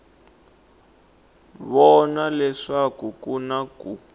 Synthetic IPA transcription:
βɔnalɛʂakukunaku

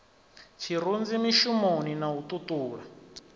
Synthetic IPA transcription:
t͡ʃʰiɾund͡zimiʃumoninaututuːɺa

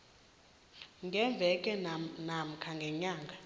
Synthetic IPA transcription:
ŋɡʱɛɱb̪vʱɛkʼɛnam̩kʰaŋɡʱɛɲaːŋɡʱa

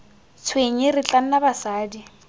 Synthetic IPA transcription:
t͡sʰweɲɪrɪt͡ɬʼan̩nabasaːdi

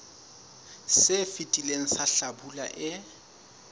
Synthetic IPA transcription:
sɪfitʼileŋ̩saɬabula̰ʔɪ

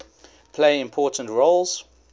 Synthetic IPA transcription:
pʰleɪɪ̃mpʰɔˑtə̃ntɹoʊlˠz̥

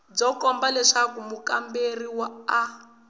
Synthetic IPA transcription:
b͡ʐɔkɔmbalɛʂakumukamberiwaa

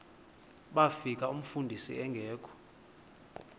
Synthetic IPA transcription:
ɓafik̬ʼaum̩fundʱisḭɛŋɡʱɛːkʰɔ̥

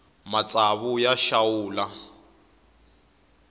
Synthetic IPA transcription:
mat͡sʼaβujaʃawuːla

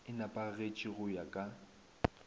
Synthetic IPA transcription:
ɪnapʼaɣet͡ʃʼiɣʊjakʼa

